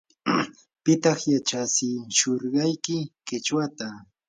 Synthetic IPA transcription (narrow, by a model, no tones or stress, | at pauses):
pɪt̪ɑχjat͡ʃasɪʃoɾɢɑjkɪkɪt͡ʃwat̪a